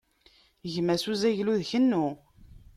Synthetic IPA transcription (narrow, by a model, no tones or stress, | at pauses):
ʝmæsuzæʝluðçənːu